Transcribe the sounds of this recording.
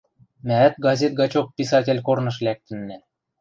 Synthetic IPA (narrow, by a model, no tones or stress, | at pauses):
mæɘt̪ɡɑzʲet̪̚ɡɑt͡ɕopːisɑtʲĕlʲkornɤ̆ʃlʲæk̚t̪ɘ̆nːæ